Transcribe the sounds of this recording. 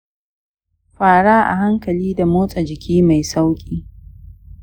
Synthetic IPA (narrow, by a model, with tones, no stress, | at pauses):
ɸaː˨ɽaː˦ʔa̰˨ɦa˦ŋkɐ˨liː˦da˨moː˦sʼa˨d͡ʒɪ˨kʲʰiː˦ma˨jsa˦wkʲʼiː˦